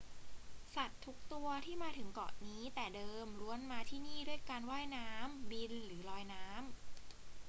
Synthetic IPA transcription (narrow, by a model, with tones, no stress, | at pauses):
sa˨˩t̪ʰːu˦˥k̚t̪u˧ɐt̪ʰiː˥˩maː˧t̪ʰɯ˩˦ŋkɔ̰ː˨˩ʔniː˦˥t̪ɛː˨˩dɤː˧mɾu˧ənmaː˧t̪ʰiː˥˩niː˥˩du˥˩əjkaː˧nwaː˥˩jnaː˦˥mbi˧nɾɯː˩˦lɔː˧jnaː˦˥m